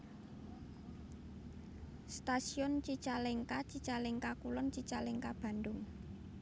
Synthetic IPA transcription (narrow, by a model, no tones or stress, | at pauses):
st̪asiɔnt͡ʃit͡ʃaleŋkat͡ʃit͡ʃalɪŋkakulɔnt͡ʃit͡ʃalɪŋkab̥a̤nd̪ʊŋ